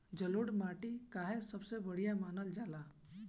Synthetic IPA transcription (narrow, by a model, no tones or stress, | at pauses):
d͡ʒəloɽmaːʈikaːɦesəbsebəɽ̤ijamaːnəld͡ʒaːla